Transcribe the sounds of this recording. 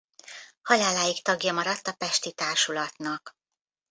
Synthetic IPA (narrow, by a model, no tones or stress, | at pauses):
hɒlaːlaːjikt̪ɒɡjɒmɒɾɒt̪ːɒpɛʃt̪it̪aːrʃulɒt̪nɒk